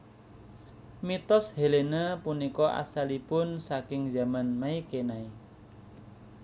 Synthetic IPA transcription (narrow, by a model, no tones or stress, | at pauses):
mit̪ɔshelenəpunikɔʔa̰salipʊnsakɪŋza̤manmaikenai